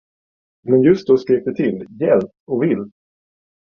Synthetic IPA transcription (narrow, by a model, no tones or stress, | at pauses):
mɛnjɵst̪̚d̪ɔskɾeːk̚d̪ɛt̪ʰɪlːjɛlt̪ɔvɪlː